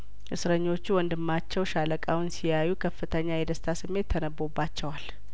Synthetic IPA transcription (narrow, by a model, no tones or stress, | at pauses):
ʔɨsɾəɲːo̞t͡ʃːuwɔnd̪ɨmːat͡ʃːɛwʃaləkʼawʊnsijajːukʰəfːɨt̪ʰəɲːajɛd̪əst̪ʰasɨmːe̞t̪ʰːənəbːo̞bːat͡ʃːɛwal